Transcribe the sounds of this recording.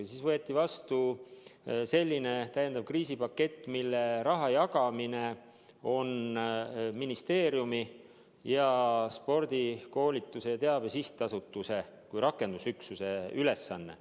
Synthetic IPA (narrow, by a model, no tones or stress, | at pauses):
siːsvɤet̪ːˑivɑst̪u | se̞lʲːine̞t̪æje̞nd̪ɑb̥̚kriːsipɑkːe̞t̪ːˑmilːeɾɑɦɑjɑɡɑmine̞ | o̞n | minist̪e̞ːɾjumi | jɑspo̞rd̪̥iko̞ːlʲit̪ːˑuse̞jɑt̪eɑb̥e̞siht̪ɑsut̪ːˑuse̞ | kujɾɑkːˑe̞nd̪̥usyksuse̞yle̞sːɑnːe̞̰